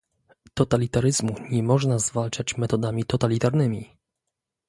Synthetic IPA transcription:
t̪ɔt̪alʲit̪aɾɘzmuɲɛmɔʐnazvalt͡ʂat͡ɕmɛt̪ɔd̪amʲit̪ɔt̪alʲit̪aɾnɘmʲi

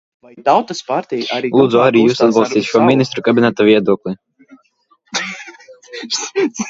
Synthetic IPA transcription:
t̪awt̪ɐspaɾt̪ʲɛjalˠuːd̪zuaɾijuːsad̪̚bɑlˠst̪ʲiːt̪ʲʃuɔmʲinʲist̪ɾukabʲinʲɛt̪ɔvʲiɛd̪uɔklˠɨi

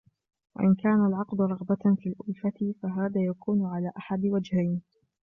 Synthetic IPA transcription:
wa̰ʔɪnkaːnalʕɑqd̪ʊɾˤɑɣbafiːlʔʊlfat̪ɪfaɦaːðaːjakuːnʊʕalaːʔaħad̪wad͡ʒhajn

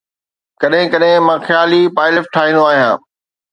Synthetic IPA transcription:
kɐɗɦɪ̃kɐɗɦɪ̃mãːxjaːlipaːɪlefʈʰaːɦĩːn̆d̪oaːɦijãː

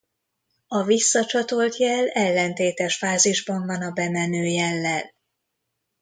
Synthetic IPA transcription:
ɒvisːɒt͡ʃɒt̪o̞lt̪jɛlɛlːɛnt̪eːt̪ɛʃfaːziʒbɒɱvɒnɒbɛmɛnøːjɛlːɛl

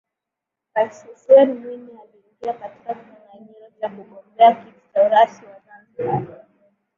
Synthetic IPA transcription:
ɾaisusɛnmwinialiːŋɡiakati̥kakiaŋaɲiɾɔt͡ʃakuɠɔmbɛakitauɾasiwazanziaa

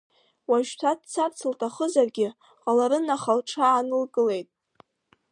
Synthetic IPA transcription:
waʒtʰad̚t͡sʰart͡sʰɨltʰaχəzarɡʲɪ | qʼalaɾɨnaχalʈ͡ʂʰaːnɨlɡʼɨle̞jtʼ

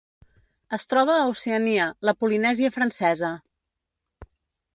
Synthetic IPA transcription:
əst̪ɾɔβəːuseəniələpulinɛziəfɾənsɛzə

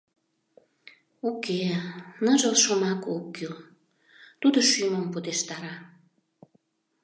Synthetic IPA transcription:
okenəʒəlʃomɑkokːyl | t̪ud̪oʃyməmpud̪eʃt̪ɑɾɑ

